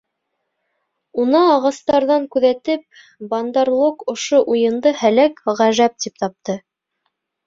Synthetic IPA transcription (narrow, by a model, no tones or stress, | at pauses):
unɑːʁɑst̪ɑɾðɑŋkʉðæt̪ɘp̚ | bɑnd̪ɑɾlˠokŏʃoʔujɤ̆nd̪ɤhælækʁæʒæp̚t̪ip̚t̪ɑp̚t̪ɤ